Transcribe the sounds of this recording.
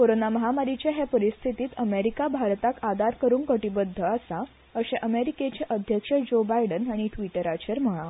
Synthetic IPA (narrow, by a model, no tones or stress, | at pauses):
koɾonaməɦamaɾit͡ɕaɦepəɾist̪ʰit̪iːt̪əmeɾikabʱaɾt̪akad̪aɾkəɾuːnkəʈibəd̪ʱːəasa | əɕeʔəmeɾiket͡ɕeʔəd̪ʱjəkʂəd͡ʑobajɖənaɽ̃iʈʋiʈəɾat͡ɕəɾm̤əɭa